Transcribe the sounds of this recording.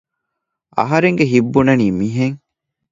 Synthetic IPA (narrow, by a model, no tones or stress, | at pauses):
ɐ̰ɦɐɾeŋɡeɦibːunɐniːmiːɦeŋ